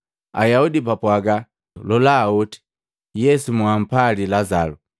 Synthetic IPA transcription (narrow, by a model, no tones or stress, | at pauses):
a̰jaudipapwaɡa | lɔlaːɔti̥ | jɛsumuam̩palilazalu